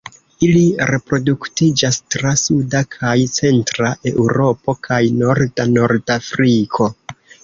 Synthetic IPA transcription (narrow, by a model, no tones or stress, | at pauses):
iliɾe̞pɾo̞duktid͡ʒastɾasudakʰajt͡se̞ntɾaʔe̞uɾo̞po̞kʰajno̞ɾdano̞ɾdafɾikʰo̞